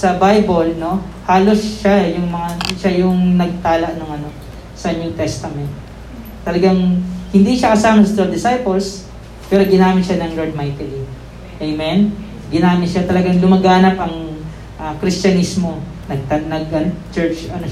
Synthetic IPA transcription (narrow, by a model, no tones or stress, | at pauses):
sɐbajbolno̞ | haːlo̞sʃajʊŋmɐŋaʃajʊŋnɐɡ̚t̪aːlɐʔnoŋɐno̞ | sɐɲʊŋt̪ɛst̪ɐmɛnt̪̚ː | ɐlɐɡaŋhɪnd̪iʃɐkɐsaːmɐnsɐt̪od̪ɪsajpɛls | pɛːɾoɡɪnaːmɪt̪ʃanɐŋloɹd̪̚majk̪ɐli | ʔejmɛn | ɡɪnaːmɪt̪ʃat̪ɐlɐɡaŋlʊmɐɡaːnɐpʔɐŋ | ʔɐkɾist͡ʃɐnismo̞ | nɐɡ̚t̪ɐnɐɡʔɐnot͡ʃɛɹt͡ʃɐno